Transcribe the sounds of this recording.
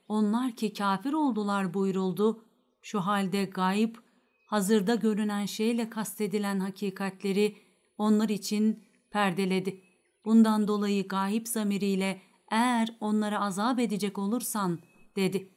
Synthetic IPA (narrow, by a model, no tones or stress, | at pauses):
o̞nlˠaɾcʰicʰaːfiɾo̞lˠd̪ulˠaɾbujɾulˠd̪ʊ | ʃuɦalʲd̪ɛɡaːjip | hazɯɾd̪aɟø̞ɾynænʃejlʲɛkʰast̪ʰe̞d̪ilʲænɦacʰiːkʰat̪lʲe̞ɾi | o̞nlˠaɾit͡ʃʰin | pʰæɾd̪e̞lʲe̞d̪ɪ | b̥und̪and̪o̞lˠajɯɡaːjipz̥amiɾijlʲɛ | ejæɾo̞nlˠaɾaazaːbe̞d̪id͡ʒɛco̞lˠuɾsand̪̥e̞d̪ɪ